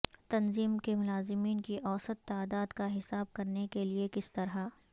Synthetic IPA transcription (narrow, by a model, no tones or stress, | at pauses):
t̪ɐnziːmkemʊlaːzɪmiːnkiʔɔːsət̪ːaːd̪aːd̪kaɦɪsaːb̚kɐɾnekeliekɪst̪ɐɾɦa